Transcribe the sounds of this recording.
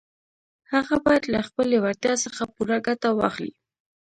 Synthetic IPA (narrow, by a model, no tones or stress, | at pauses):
haɣabɑjad̪laxpəlewaɾt̪jɑsəxapuɾaɡat̪awɑxlḭ